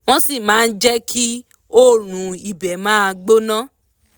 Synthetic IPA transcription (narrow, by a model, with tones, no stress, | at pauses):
w̃ɔ̃˦si˦˨mãː˨˦˧n̩˦d͡ʒɛ˦kʰi˦ | o˦ɾ̃ũ˨i˨bɛ˨mãː˦a˧ɡ͡bo˦nã˦